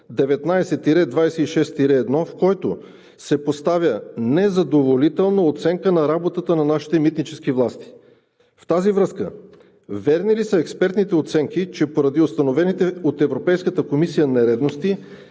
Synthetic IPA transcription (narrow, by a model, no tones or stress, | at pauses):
d̪ɛvɛt̪najsɛt̪iɾɛd̪vajsɛiʃɛst̪iɾɛːd̪nɔfkɔjt̪o | sɛpost̪avʲjənɛzɐd̪ovolit̪ɛlˠnəot̪sɛŋkənɐɾabot̪ət̪ənɐnaʃi̥t̪ɛmit̪nit͡ʃɛsk̟ivlˠast̪i̥ | ft̪azivɾɤskə | vɛɾnilisəɛkspɛɾt̪nit̪ɛot̪sɛŋkit͡ʃɛpoɾɐd̪iost̪ɐnovɛnit̪ɛot̪ɛvɾopɛjskət̪əkomisijənɛɾɛd̪nost̪i